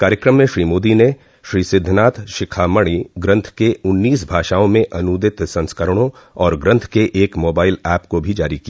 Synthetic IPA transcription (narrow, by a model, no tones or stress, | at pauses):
kaːɾjəkɾəmːẽʃɾiːmoːd̪ine | ʃɾiːsɪd̪ʱːnaːt̪ʰʃɪkʰaːməɽ̃iɡɾɐ̃nt̪ʰkeʊnːiːsbʱaːʃaːõmẽʔɐnuːd̪ɪt̪sɐ̃nskəɾɽ̃õ | ɔːɾɡɾɐ̃nt̪ʰkeʔeːkmoːbaːɪlɛːpkobʱid͡ʒaːɾikija